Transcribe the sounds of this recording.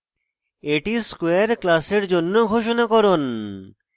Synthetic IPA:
eʈiskoeaɾklaseɾd͡ʑonːoɡʱoʃ̬onakɔɾon

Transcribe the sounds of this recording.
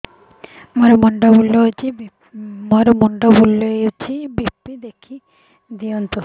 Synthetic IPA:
moɾemɔɳɖobulːot͡ʃʰi | moɾemɔɳɖobulːoet͡ʃʰibipːid̪ekʰi | d̪iɔnt̪u

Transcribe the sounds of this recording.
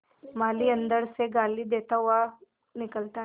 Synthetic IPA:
maliːənd̪əɽseɡaliːd̪et̪aʋa | nikəlt̪a

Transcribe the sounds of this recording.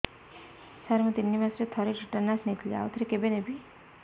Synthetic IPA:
saɾmət̪inːimasɾet̪ʰɔɾeʈiʈənːasnit̪ʰlia̰wt̪ʰɾekebenebʱi

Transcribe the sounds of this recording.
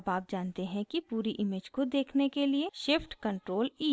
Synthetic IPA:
baːp̚d͡ʒaːnt̪eɦɛ̃kipuːɾiʔɪmeːd͡ʒkod̪eːkʰnekelieʃɪfʈkɐ̃ɳʈɾoːliː

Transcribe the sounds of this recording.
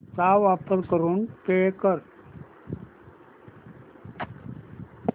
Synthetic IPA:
t͡saʋapəɾkəɾuːnpekəɾ

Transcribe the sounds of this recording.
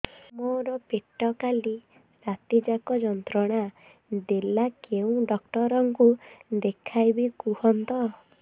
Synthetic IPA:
moɾɔpeʈɔkali | ɾat̪id͡ʒakɔd͡ʒɔnt̪ɾɔɽ̃a | d̪elakeũɖɔkʈɔɾɔŋkud̪ekʰajbikuɦɔnt̪ɔ

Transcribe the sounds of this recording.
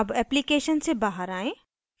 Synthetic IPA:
ɐbɛːplikeːʃənsebaːɦəɾaːẽː

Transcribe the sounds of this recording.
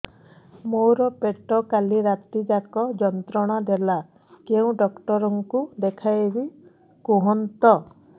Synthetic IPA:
moɾɔpeʈɔkaliɾat̪id͡ʒakɔd͡ʒɔnt̪ɾɔɽ̃ad̪ela | keũɖɔkʈɔɾɔŋkud̪ekʰajebi | kuɦɔnt̪ɔ

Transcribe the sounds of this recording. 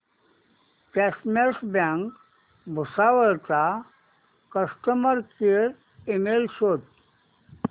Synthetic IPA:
kɛsmesbãŋk | bʱusaʋəɭt͡sa | kəsʈəməɾkiɾ | emelsot̪̚

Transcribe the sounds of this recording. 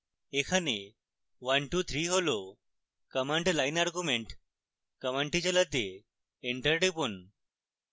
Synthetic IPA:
ekʰane | ʋənʈut̪ʰɾiːɦolo | kəməɳʈlainaɾɡjumeɳʈ | kəməɳʈit͡ɕaləd̪ʱːe | eɳʈəɾɖipun

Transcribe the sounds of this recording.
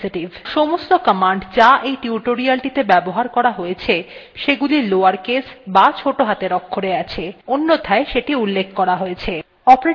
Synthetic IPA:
iʈivʱʃomost̪okəmaɳɖd͡ʑaʔejʈiuʈoɾialʈit̪ebɛboɦaɾkɔɾaɦojet͡ɕʰeʃeɡuliloaɾkesbat͡ɕʰoʈoɦat̪eɾɔkʰːoɾeat͡ɕʰeonːot̪ʰaeʃeʈiulːekʰkɔɾaɦojet͡ɕʰe | ɔpɾ

